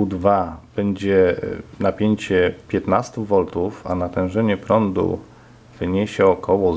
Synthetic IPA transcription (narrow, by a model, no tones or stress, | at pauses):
ud̪vab̥ɛɲd͡ʑɛnapʲjeɲt͡ɕɛpʲjɛt̪nast̪uvɔlt̪ufa̰nat̪ɛ̃w̃ʐɛɲɛpɾɔnd̪ṵ | vɘɲeɕɛɔkʰɔwɔ